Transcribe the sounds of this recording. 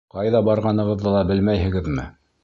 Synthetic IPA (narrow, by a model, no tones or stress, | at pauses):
qɑjðɑbɑɾʁɑnɤ̆ʁɤ̆ðːɤlˠɑbɘlmæjhɘ̆ɡɘðmɘ̰